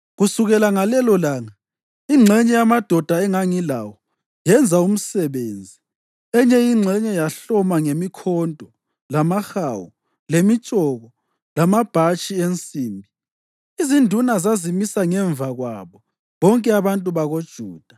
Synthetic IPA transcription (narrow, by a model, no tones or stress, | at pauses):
ɣusuɣɛlaŋalɛlɔlaːŋa | iŋ͡ǁʱɛɲɛjamad̥ʱɔd̥ʱaɛŋaŋila̰wɔ | jɛnd͡zʱaum̩sɛβeːnd͡zʱi | ɛɲɛjiŋ͡ǁʱɛɲɛjaɬɔmaŋemikʰɔndʱʼɔ | lamaxawɔ | lemit͡ʃʼɔɣɔ | lamab̥ʱat͡ʃʼient͡sʼiːmbʱi | izindʱunazazimisaŋɛɱvaɣwa̰βɔ | βɔŋkʼɛaβantʼuβaɣod̥ʒ̥ʱuːd̥ʱa